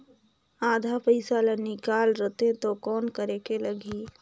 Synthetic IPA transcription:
aːd̪ʱapəɪsaːlanɪkaːlɾət̪ẽt̪okɔːnkəɾekeləɡiː

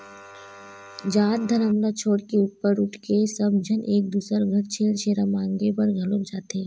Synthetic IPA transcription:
d͡ʒaːt̪̚d̪ʱɐɾɐmlat͡ʃʰoːɽkeuːʈpəɾʊʈʰkesɐbd͡ʒʱɐnʔeːk̚d̪uːsəɾɡʱɐɾt͡ʃʰeːɽt͡ʃʰeːɾamãːŋɡepɐɾɡʱɐlod͡ʒaːt̪eː

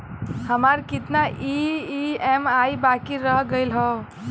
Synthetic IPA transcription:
həmaɾkɪt̪naʔiiemajbakiɾəɦɡəilɦɔ

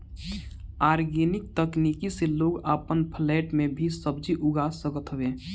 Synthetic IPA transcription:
aːɾɡenɪk̚t̪əknikiseloːɡapənpʰlɛːʈmẽbʱisəb̚d͡ʒiʔʊɡaːsəkət̪ɦəʋẽ

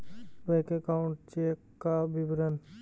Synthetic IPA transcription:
bɐjkekaʊ̃ɳʈ̚t͡ʃeːkːabibɾən

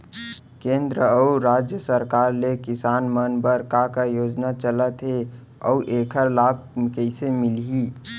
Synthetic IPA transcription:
kẽːnd̪ɾəəuɾaːd͡ʒjəsəɾkaːɾlekɪsaːnmənbəɾkakajoːd͡ʒnat͡ʃələt̪ɦe | ɔʔeːkʰəɾlaːb̚ | kəɪsemɪli

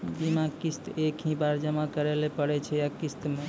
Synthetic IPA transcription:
bimakist̪ekɦĩbaɾd͡ʒəmakəɾelepəɽɛt͡ʃʰɛjakist̪me

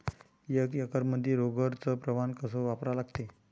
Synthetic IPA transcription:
jəkjəkəɾməd̪ʱːjeɾoɡəɾt͡səpɾəʋankəsəʋapɾalaɡt̪e

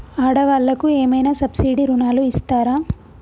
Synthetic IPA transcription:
aːɽɐʋaːɭːɐkueːmɐjnaːsɐbsiːɽiɾunaːluist̪aːɾaː

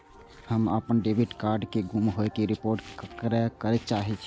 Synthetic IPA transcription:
həmə̰pənɖebʱiʈkaɾɖkeɡumɦokeɾipoɾʈkɾɛkəɾɛt͡ʃaɦɛt͡ʃʰi

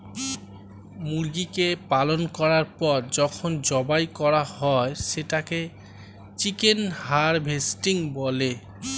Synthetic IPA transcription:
muɾɡikepalonkɔɾaɾpɔɾd͡ʑɔkʰond͡ʑɔbajkɔɾahɔeʃeʈake | t͡ɕikenhaɾbʱesʈiŋbole

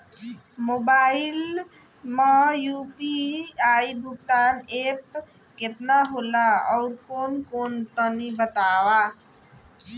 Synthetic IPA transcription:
mobail | majupiaibʱuk̚t̪anep̚ | ket̪naɦolaɔʊɾkonkont̪ənibət̪awa

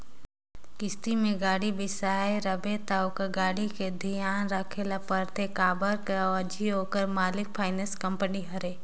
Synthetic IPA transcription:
kɪst̪imẽɡaːɽibɪsaːeɾəbet̪aʊkɡaːɽiked̪ʱijaːnɾakʰelapəɾt̪ʰekaːbəɾkeəd͡ʒʱiɦoːkəɾmaːlɪk̚pʰaːɪnəskɐ̃mpəniɦɐɾe

